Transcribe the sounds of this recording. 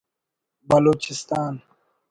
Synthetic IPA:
bɐloːt͡ʃɪst̪aːn

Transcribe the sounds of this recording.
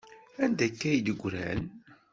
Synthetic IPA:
ænd̪ækːæjd̪əɡʷːɾæ̰n

